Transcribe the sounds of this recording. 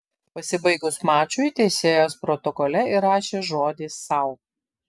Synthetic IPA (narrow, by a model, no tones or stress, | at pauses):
pɐsʲɪbɐɪɡʊsmɑːt͡ʃʲʊit̪ʲeɪsʲeːjoːspɾɔt̪ɔkɔlʲɛɪɾɑːʃʲeːʒoːd̪ʲiːsːɐʊ